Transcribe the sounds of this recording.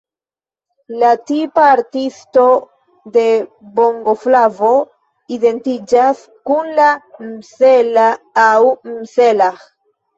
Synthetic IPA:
latipaːɾtisto̞ | d̪e̞ | bo̞ŋɡo̞flavo̞ | ide̞ntid͡ʒas | kunlamselaːwmselax

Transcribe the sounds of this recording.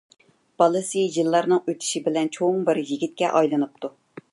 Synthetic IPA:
b̥ɑlˠɨsɨjɨlˠːɑɾnɨŋøt̪ʰɪ̥ʃibɪlɛnt͡ʃʰoŋbɪɾjiɡʲit̪̚kʲɛʔɑjlˠɨnɨp̚t̪ʰu

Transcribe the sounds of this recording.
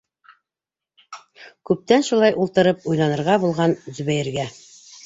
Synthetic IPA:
kʉp̚t̪ænʃulˠɑjʔulˠt̪ɤ̆ɾɤp̚ujnˠɑnɤ̆ɾʁɑbulˠʁɑnzzɵβæjɘ̆ɾɡæ

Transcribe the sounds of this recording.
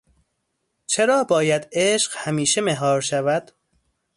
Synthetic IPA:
t͡ʃʰe̞ɾɒːbɒːjæd̪eːʃɢhæmiːʃemeɦɒːɾʃævæd̪̥

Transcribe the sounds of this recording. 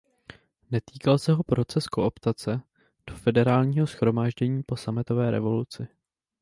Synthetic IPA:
nɛt̪iːkalsɛɦo̞pɾo̞t͡sɛsko̞ʔopt̪at͡sɛ | d̥o̞fɛdɛɾaːlɲiːɦosxɾo̞maːʒɟɛɲiːpo̞samɪt̪o̞vɛːɾɛ̰vo̞lut͡sɪ

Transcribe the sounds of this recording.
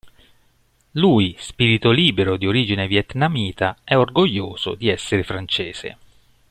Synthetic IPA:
luːispiːɾit̪oliːbeɾod̪ioɾiːd͡ʒinevjɛt̪namiːt̪aɛorɡoʎːoːz̥o̰d̪iɛsːeɾefɾant͡ʃeːz̥ḛ

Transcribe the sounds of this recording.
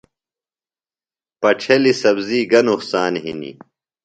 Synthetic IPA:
pɐʈ͡ʂʰɐlisɐbziːɡɐnuhsaːnɦḭnḭ

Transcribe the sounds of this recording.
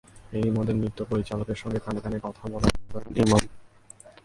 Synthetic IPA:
ejmod̪ʱemɾit̪ːopoɾit͡ɕalokeɾʃɔŋɡek̪anekanekɔt̪ʰabɔlaobanḭmam

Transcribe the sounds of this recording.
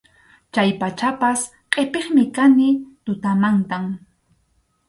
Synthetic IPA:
t͡ʃajpat͡ʃapas | qʼepeχmɪkanɪt̪ʊt̪amant̪am

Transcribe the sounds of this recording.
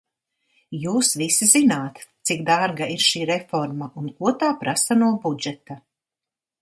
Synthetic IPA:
juːsʋisizinaːt̪t̪sikd̪aɾɡaiɾʃiːɾefɔɾmaʔunkuɔt̪aːpɾasanuɔbud͡ʒɛt̪a

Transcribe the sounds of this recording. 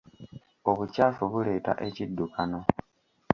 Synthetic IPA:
oβucaːfuβule̞ːta̰ʔe̞cidːukano

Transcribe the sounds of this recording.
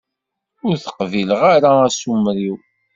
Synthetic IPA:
ʊɾθə̥qviləʁaɾaæsumɾiw

